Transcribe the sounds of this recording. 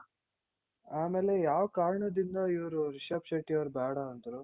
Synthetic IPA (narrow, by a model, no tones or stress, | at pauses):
aːmeːle̞jaːʋɐkaːɾɐɳɐd̪ind̪ɐiʋɾuɾiʃɐpʃɐʈːijɐʋɐɾbaːɽɐːnt̪ɐɾu